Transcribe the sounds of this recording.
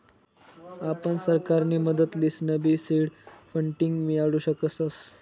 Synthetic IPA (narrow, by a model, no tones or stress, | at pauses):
apəɳsəɾkaɾniːməd̪ət̪liːsnəbiːsiɽfəɳʈiŋɡmiaɽuːɕəkət͡səs